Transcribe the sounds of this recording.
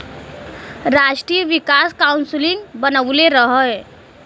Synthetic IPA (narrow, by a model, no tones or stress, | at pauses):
ɾaʈɾijəʋikaskaunslĩŋɡbənəʋleɾəɦə